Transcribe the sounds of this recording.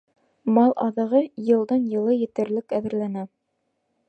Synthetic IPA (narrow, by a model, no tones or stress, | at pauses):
mɑlˠʔɑ̰ðɤ̆ʁɤjɤ̆lˠd̪ɑnjɤ̆lˠɤjɘ̆t̪ɘ̆ɾlɘkæðɘ̆ɾlænæ